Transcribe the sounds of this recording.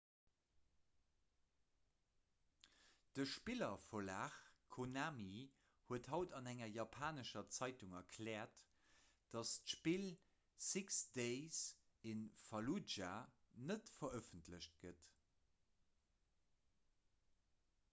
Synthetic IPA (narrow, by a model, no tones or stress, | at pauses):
d̥əʃpilɐfolaːχkʰonaːmi | huəthɑʊtɑnæŋɐjɑpʰaːnəʃɐt͡sæɪtuŋɐkʰlɛːɐt | d̥ɑstʃpil | siksd̥eɪs | enfɑlud͡ʒa | nətfɐœfəntləɕt̚ɡ̥ət